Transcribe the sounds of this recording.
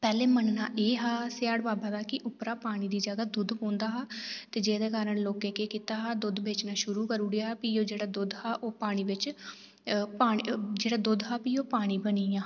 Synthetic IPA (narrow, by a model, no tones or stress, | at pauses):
pɛːleːmənnaːʔeːɦaːsɪjaːɽbaːbaːd̪aːkɪʔʊpɾaːpaːɽ̃iːd̪iːd͡ʒaːɡaːd̪ʊd̪põːnd̪aːɦaːt̪eːd͡ʒeːd̪eːkaːɾəɳloːkẽːkeːkit̪aːɦaːd̪ʊd̪beːt͡ʃnaːʃʊɾuːkəɾuːɽejaːpiːoːd͡ʒeːɽaːd̪ʊd̪ɦaːʔoːpaːɽ̃iːʋɪt͡ʃ | paːd͡ʒeːɽaːd̪ʊd̪ɦaːpiːoːpaːɽ̃iːbəniːjãː